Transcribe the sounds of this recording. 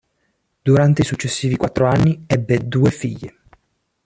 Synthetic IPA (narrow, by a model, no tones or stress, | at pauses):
d̪uɾant̪eisut͡ʃːesːiːvikwat̪ːɾoanːiɛbːed̪uːefiʎːe